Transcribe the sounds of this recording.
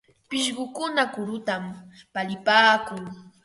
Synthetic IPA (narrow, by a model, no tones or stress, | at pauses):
pɪʃɢʊkʊnakʊɾʊt̪ampalɪpaːkʊŋ